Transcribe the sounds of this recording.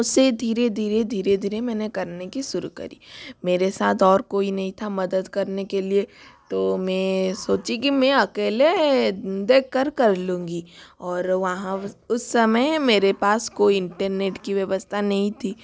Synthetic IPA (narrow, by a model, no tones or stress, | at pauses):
ʊsːed̪ʱiːɾed̪ʱiːɾed̪ʱiːɾed̪ʱiːɾemɛ̃ːnekɐɾnekiʃʊɾṵkɐ̰ɾḭːmeːɾesa̰ːt̪ʰɔːɾkoːinɐɦĩt̪ʰamɐd̪əd̪kɐɾnekeliet̪oːmɛ̃soːt͡ʃikimɛ̃ɐkeːle | d̪eːkkːəɾkɐɾlũːŋɡiɔːɾʋɐɦãʊsːɐməjmeːɾepaːskoːiɪ̃ɳʈəɾneːʈkiʋjɐʋəst̪ʰanɐɦĩt̪ʰiː